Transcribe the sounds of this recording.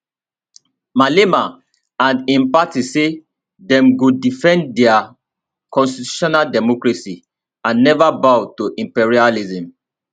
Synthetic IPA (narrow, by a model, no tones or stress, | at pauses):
malema | ãnĩnpatise | dɛ̃mɡodifɛ̃ndɛa | kɔ̃nstitu̥ʃɔnaldɛmɔkɹasi | ãnːɛvabaʊtoʔĩmpiɹializĩm